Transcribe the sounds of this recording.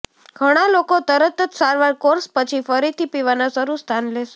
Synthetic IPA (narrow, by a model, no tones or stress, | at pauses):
ɡʱəɽ̃alokot̪əɾət̪ət̪saɾʋaɾkoɾspət͡ʃʰifəɾit̪ʰipiʋanasəɾust̪ʰanleʃe